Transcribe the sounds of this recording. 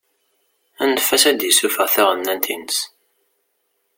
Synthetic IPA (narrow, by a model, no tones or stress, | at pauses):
ænəfːæsæd̪jəsufəʁθæʁənːænt̪ʰinəs